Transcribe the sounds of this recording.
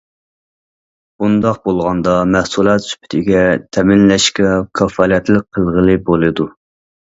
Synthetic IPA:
bund̪ɑq̚bolˠʁɑnd̪ɑmɛhsulˠɑt̪sy̥pʰɪ̥t̪ʰɪɡʲɛt̪ʰɛmɪnlɛʃkʲɛkʰɑfɑlˠɛt̪lɪk̚ʲqʰːəlˠʁəlˠɨbolˠɨd̪u

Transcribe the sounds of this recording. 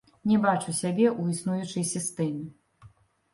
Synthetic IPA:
nʲɛbat͡ʂusʲabʲɛʔuisnujut͡ʂɐjsʲist̪ɛmʲi

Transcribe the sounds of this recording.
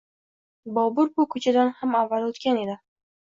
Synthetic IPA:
bɒbʊɾbʊkʰɵt͡ʃʰad̪anhamavːalot̪kʲane̞d̪ɪ

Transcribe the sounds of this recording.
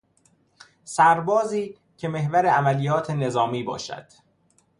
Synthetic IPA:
sæɾbɒːziː | cʰe̞me̞hvæɾeæmælijɒːt̪ʰe̞ne̞zɒːmiːbɒ̰ːʃæ̰d̪̥

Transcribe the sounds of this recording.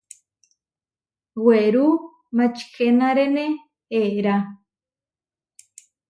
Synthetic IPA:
weɾu | mat͡ʃi̥xenaɾene | eɾa

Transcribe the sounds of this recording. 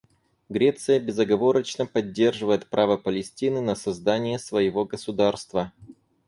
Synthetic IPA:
ɡɾʲe̞t̪sɨjəbʲɪzəɡɐvo̞ɾət͡ɕnəpɐdʲːe̞rʐɨvəjɪt̪̚pɾʔavəpəlʲɪsʲtʲinɨnəsɐzd̪anʲɪjəsvəjɪvo̞ɡəsʊd̪arst̪və

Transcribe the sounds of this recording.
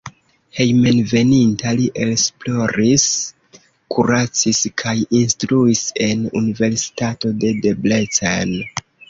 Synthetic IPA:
he̞jmenve̞nintaliʔe̞ksplo̞ɾis | kʰuɾat͡siskʰajinstɾuise̞nunive̞ɾsi̥tato̞de̞de̞blet͡sa̰n

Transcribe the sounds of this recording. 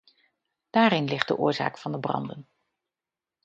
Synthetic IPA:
d̥aːɾɪnlɪχt̚də̰ʔʊ̰ːɹza̰ːkfɑndəbrɑ̰ndən

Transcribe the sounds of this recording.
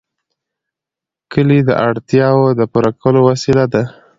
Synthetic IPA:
kəlid̪əʔaɽt̪jɑwod̪əpuɾakəlowasilad̪a

